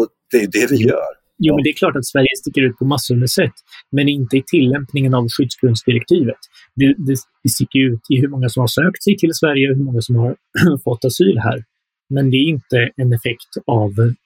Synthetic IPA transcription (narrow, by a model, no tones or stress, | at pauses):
ɔd̪̥ɛjɵd̪ɛvɪjœ̰ːɾ | juːmɛnd̪ɛæɾklɑːʈat̪svæɾjəst̪ɪkːəɾʉt̪̚pʰɔmasɵməsɛt̪ːmɛnɪnt̪əɪt̪ʰɪlːɛmpnɪŋənavɧʏd̪sbɾɵnd̪sd̪ɪɾɛk̚t̪ʰiːvət̪ | d̪ɛd̪ɛ | ɪst̪ɪkːəɾjʉ̟ːt̪ʰɪɦɵmɔŋːasɔmhaʂøːkt̪sɛjt̪ʰɪlsvæɾjəɔɦɵɾmɔŋːasɔmhaɾfɔt̪ːasyːlɦæ̰ːɾ | mɛnd̪ɛæɾɪnt̪əɛnɛfɛkt̪av